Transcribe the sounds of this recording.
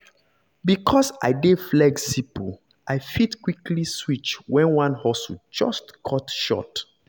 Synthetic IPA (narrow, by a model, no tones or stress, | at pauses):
bikʰɔsa̰ɪdeflɛɡsibo | ʔaɪfitkwikʰliswit͡ʃwɛ̃nwãnhɔsud͡ʒɔstkʰɔtʃɔ̰t